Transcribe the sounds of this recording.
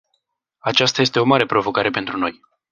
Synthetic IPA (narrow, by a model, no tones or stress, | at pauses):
at͡ʃast̪aje̞st̪e̞o̞maɾe̞pɾo̞vo̞kaɾe̞pe̞nt̪ɾuno̞̰j